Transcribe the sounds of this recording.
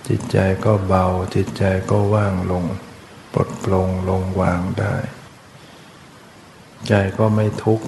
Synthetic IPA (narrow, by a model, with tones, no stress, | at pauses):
t͡ɕḭ˨˩t̪̚t͡ɕa˧jkɔː˥˩ba˧wt͡ɕi˨˩t̪̚t͡ɕa˧jkɔː˥˩waː˥˩ŋlo˧ŋ | po̰˨˩t̪̚plo˧ŋlo˧ŋwaː˧ŋdaː˥˩j | t͡ɕa˧jkɔː˥˩ma˥˩jt̪ʰu˦˥k̚